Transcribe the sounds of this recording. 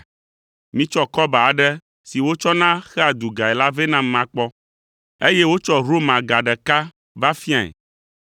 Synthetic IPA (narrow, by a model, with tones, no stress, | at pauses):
mĩ˦t͡ʃɔ˦kɔ˦ba˨a˨ɖɛ˦ | si˨wo˦t͡ʃɔ˦nã˦xɛ˦a˨d̪u˨ɡa˨ɛ˨la˦ve˦nã˦m˦mã˨k͡pɔ˦ | e˦je˦wo˦t͡ʃɔ˦ɾo˦mã˨ɡa˨ɖɛ˨ka˦ | va˦fi˦ã˨ɛ̰˨